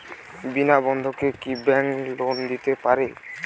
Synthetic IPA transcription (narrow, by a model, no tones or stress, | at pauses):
binabɔnd̪ʱokekibɛŋlond̪it̪epaɾe